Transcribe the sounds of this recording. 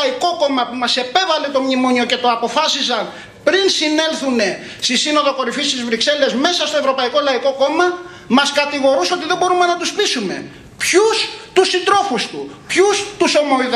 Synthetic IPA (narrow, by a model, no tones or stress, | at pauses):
iko̞ko̞mɐpumɐse̞pe̞vɐle̞t̪o̞mɲimoɲio̞ce̞t̪o̞ɐpo̞fɐsis̬ɐn | pɾinsine̞lθune̞ | st̪isino̞ðo̞ko̞ɾifist̪izvɾikse̞le̞zme̞sɐst̪o̞e̞vɾo̞pɐiko̞lɐiko̞ko̞mɐ | mɐskɐt̪iɣo̞ɾuso̞t̪iðe̞bo̞ɾume̞nɐt̪uspisumḛ | pçust̪usind̪ɾo̞fust̪u | pçust̪uso̞moið